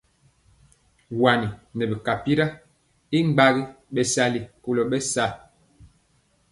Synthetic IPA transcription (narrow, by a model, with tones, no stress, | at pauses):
wa˨ni˨nɛ˨bi˨ka˨pi˦ɾa˦ | i˦ŋ͡mɡ͡ba˦ɣi˦ | ɓɛ˨sa˦li˨ku˦lo˨ɓɛ˦sa˦˨